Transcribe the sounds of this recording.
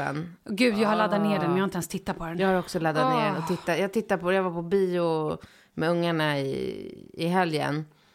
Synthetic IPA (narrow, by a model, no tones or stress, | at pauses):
ɛ̰n | ɡʉ̟ːd̪jaːɡhaɭad̪ːat̪neːɖɛnmɛjanɛnst̪ʰɪt̪ːat̪̚pʰɔd̪ɛnjɑːhaɾɔksɔlad̪ːat̪neːɔt̪ʰɪt̪ːajɑːɡt̪ʰɪt̪ːapʰɔjavapʰɔbiːʊ | mɛɵŋːaɳaɪ̰ɪ̰ɦɛljə̰n